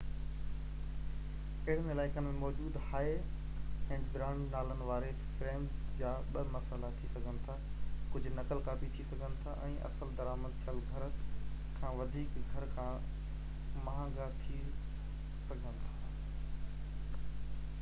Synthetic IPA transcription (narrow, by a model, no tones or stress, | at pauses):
ɪɪɽənɪlaːɪkənɪmẽmɔːd͡ʑuːd̪haːe | ɛ̃ːɡɾãːɳɖnaːlənɪ̆ʋaːɾe | fɾeːmzd͡ʑaːɓɐmɐsaːlat̪ʰisɐɡʱənɪ̆t̪ʰaː | kʊd͡ʑʱʊ̆nɐkəlkaːfit̪ʰisɐɡʱənɪ̆t̪ʰaʔɛ̃ːʔɐ̰səld̪ɐɾaːməd̪̚tʰəlɡʱɐɾə | kʰãːʋɐd̪ʱiːkɡʱɐɾkʰãː | mɐɦãːɡat̪ʰi | sɐɡʱə̃nɪt̪ʰaː